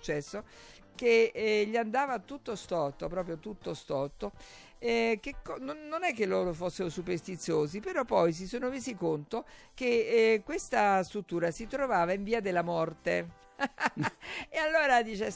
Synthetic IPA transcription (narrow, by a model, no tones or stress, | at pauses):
t͡ʃːɛsːo | k̟eʎːiand̪aːvat̪ut̪ːost̪ɔt̪ːopɾɔːp̬ɾjot̪ut̪ːost̪ɔt̪ːo | ɛk̟ekːɔnoːonɛkːelːoːɾofosːeɾosuperst̪it̪sːjoːzipeɾɔpːɔjs̬isoːnoveːzikont̪ok̟ekːwest̪ast̪ɾut̪ːuːɾasit̪ɾovaːvaiɱviːad̪elːamɔrt̪e | ealːoːɾad̪iːt͡ʃe